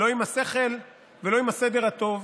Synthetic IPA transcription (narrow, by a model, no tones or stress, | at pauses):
lo̞imhase̞χel | velo̞imhased̪e̞ʁat̪o̞v